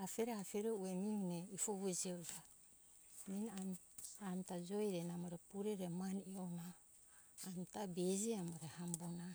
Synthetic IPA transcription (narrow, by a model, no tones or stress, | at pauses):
afeɾeafeɾeuemiuneifoβed͡ʒieta | nina | amtad͡ʒojɾenamoɾepuɾeɾemanionaː | mtabed͡ʒiamoɾehambona